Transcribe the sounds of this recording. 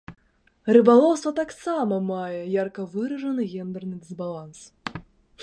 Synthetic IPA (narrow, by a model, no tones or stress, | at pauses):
rɾɨbalˠɔwst̪vɐt̪aksamɐmajɛjarkɐvɨɾɐʐɐnɨɣʲɛnd̪ɐrnɨd̪ɨzbalˠans